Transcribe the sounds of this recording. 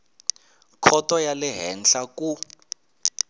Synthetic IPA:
kʰɔtɔjalɛɦɛn̩ɬaku

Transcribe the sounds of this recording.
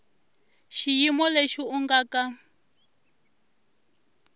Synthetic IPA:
ʃijimɔleʃiuŋɡaka

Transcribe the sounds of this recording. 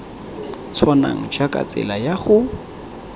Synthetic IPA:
t͡sʰɔna̰ŋ̩d͡ʒakʼa̰t͡sʼɛ̰lajaχʊ

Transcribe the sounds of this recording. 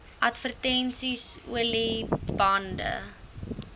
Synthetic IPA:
ʔɐtfərtɛnsisṵəlibɐndə̰

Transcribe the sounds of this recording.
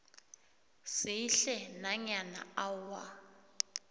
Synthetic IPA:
sɪiɬɛnaɲana̰awa

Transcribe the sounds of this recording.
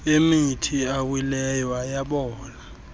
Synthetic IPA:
emitʰiawilɛjwajaɓɔːna

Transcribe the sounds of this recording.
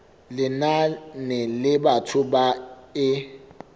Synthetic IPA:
lɪnanɛlɪɓatʰʊɓaɪ

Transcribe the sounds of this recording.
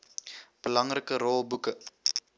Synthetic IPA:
b̥əlɐŋrəkəɾɔlˠbukə

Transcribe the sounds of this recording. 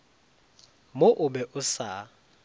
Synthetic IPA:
moʔʊbɛʔʊsa

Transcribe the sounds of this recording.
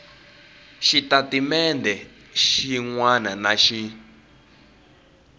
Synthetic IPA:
ʃitatimɛndɛ | ʃiŋwananaʃi

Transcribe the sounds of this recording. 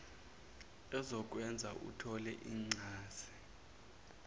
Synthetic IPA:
ɛzɔk̬ʼwɛnd͡zʱaʔṵtʰɔlɛʔiːŋ͡ǀaːsi̥

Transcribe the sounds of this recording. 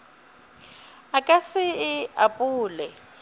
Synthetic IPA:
akʼasɪɪapʼuːlɛ

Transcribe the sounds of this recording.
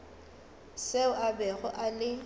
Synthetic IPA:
seʊʔabɛɣʊʔalɪ

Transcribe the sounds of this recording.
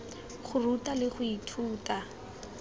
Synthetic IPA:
χʊrutalɪχʊitʰuːta

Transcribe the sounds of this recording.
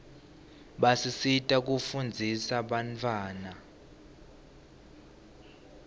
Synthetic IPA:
ɓasisitʼak̬ʼufund͡zʱisaɓant͡fʰwaːna

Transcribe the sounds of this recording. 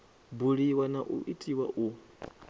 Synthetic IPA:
buɺiwanaʔṵʔitʼiwaʔu

